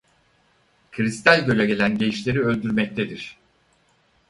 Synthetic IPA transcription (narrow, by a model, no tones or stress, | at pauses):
kʰɯɾist̪ʰælʲɟø̞lʲɛɟe̞lʲænɟe̞jiʃlʲe̞ɾiølʲd̪yɾmɛc̚t̪ʰe̞d̪iɾ̝̥